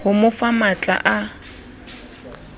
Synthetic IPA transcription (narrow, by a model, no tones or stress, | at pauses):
hʊmʊfamat͡ɬʼa̰ʔa